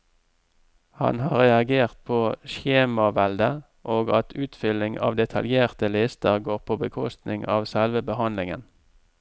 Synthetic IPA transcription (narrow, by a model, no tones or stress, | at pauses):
hɑ̰nhɑːʁɛɑɡeːʁt̪̚pʰoːʃeːmɑʋɛld̪ə | ʔoːɡɑt̪ʰʉːt̪fʏlɪŋɑ̰ːʋd̪ɛt̪ʰɑ̰ljeːʁt̪əlɪst̪əʁɡoːʁpʰoːbəkʰɔst̪nɪŋɑːʋsɛlʋəbəhɑnlɪŋən